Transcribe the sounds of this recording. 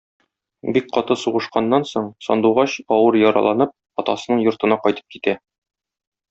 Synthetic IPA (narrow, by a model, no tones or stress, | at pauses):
bik̚qɒt̪ɤsuʁɤ̆ʃqɑnːɑnsoɴsɒ̰nd̪uʁɑɕɒwɤɾjɒɾɑ̰lˠɑnɤp̚ | ɒt̪ɑsɤ̆nɤɴjŏɾt̪ɤ̆nɑqɒjt̪ɤ̥p̚kit̪æ